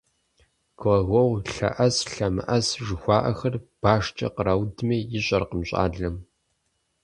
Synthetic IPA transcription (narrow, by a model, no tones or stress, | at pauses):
ɡ̥ɐɣʷɔwɬɐ̰ʔɐsɬɐmɨ̰ʔɐsʒɨxʷɑːʔɐxɐrb̥aːʂt͡ʃʼɐ̰qəɾɐwdmeːjɪɕʼɐrqəmɕʼa̰ːɮɐm